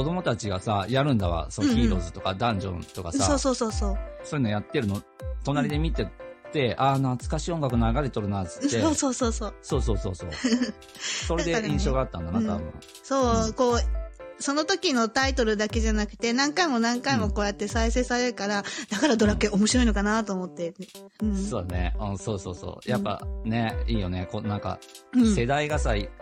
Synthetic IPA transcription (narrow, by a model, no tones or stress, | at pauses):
ko̞d̪o̞mo̞t̪at͡ɕiɡa̰sa̰jaɾɯ̟̃nd̪aβa̰sookʲiːɾo̞zɨt̪o̞ka̰d̪ãɲ̟d͡ʑõ̰nt̪o̞kasaso̞ːso̞ːso̞ːso̞ːso̞ɾenojat̪ːe̞ɾɯ̟no | t̪o̞naɾʲid̪emʲit̪e̞t̪e̞ʔanat͡sɨ̥kaɕiːoŋɡakɯ̟noakad̪e̞t̪o̞ɾɯ̟nat͡sɨ̥t̪ːeoːso̞ːsoːso̞ːso̞ːso̞ːso̞̰ːso̞̰ː | soɾd̪e̞ʔĩɕo̞ːɡaat̪ːãnd̪anat̪abɯ̰̃ | so̞ːko̞ːso̞no̞t̪o̞kʲino̞t̪ait̪o̞ɾɯ̟d̪ake̞ʑanakɯ̟̥t̪e̞nãŋkaimo̞nãŋkaimo̞koːjat̪ːe̞saise̞ːsaɾe̞ɾɯ̟kaɾad̪̥akaɾad̪o̞ɾakeomo̞ɕiɾo̞ino̞kanat̪o̞ːmo̞t̪ːe̞ | ɯ̟ɴso̞ːd̪anḛɯ̃ːso̞ːso̞ːso̞̰ːjapːa̰ne̞iːjo̞ne̞konãŋkã̰se̞d̪aiɡasai